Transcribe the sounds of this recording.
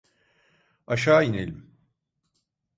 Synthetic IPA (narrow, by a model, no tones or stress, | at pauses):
aʃaːinelʲim